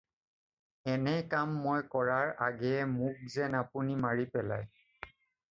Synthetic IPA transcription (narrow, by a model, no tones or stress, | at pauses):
ɛnɛkamːojkɔɹaɹaɡɛɛmuk̚zɛnapunimaɹipɛla̰j